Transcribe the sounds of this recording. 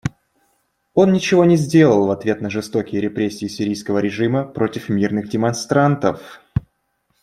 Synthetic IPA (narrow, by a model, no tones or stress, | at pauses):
o̞nːʲɪt͡ɕɪvo̞nʲɪzʲdʲe̞lˠəlˠvɐt̪vʲe̞t̪nəʐɨst̪o̞kʲɪjəɾʲɪpɾʲesʲːɪːsʲɪɾʲijskəvəɾʲɪʐɨməpɾo̞tʲɪfmʲirnɨɣdʲɪmɐnst̪ɾant̪əf